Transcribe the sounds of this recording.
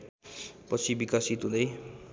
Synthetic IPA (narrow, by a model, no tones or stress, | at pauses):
pʌt͡sʰibikasit̪udʌj